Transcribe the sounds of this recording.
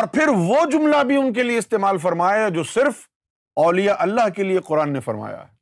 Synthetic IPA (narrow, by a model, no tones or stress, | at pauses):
ɔːɾpʰɪɾʋod͡ʒʊmlabʱiʊnk̬elieɪst̪eːmaːlfɐɾmaːjad͡ʒoːsɪɾf | ɔːlijaʔɐlːaɦkelieqʊɾaːnːefɐɾma̰ːja̰ː